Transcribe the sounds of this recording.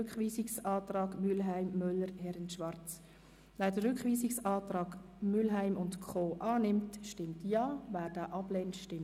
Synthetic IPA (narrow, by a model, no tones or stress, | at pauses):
ʏkχviːsɪksɑːtɾɑːɡmylɦæɪmːœlːəɾhɛɾənʃʋɑɾt͡s | væːdəɾʏkχʋiːsɪksɑːtɾɑːɡ | mʏlɦæɪmʊntkʰoːʔɑːnɪmtʃtɪmtjɑːvæːɾd̥aːʔɑbleːntʃtɪm